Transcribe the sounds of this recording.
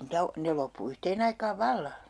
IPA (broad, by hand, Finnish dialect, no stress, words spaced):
niːtæ o ne lopːu yhteːn ɑikɑːʋ ʋɑlːɑ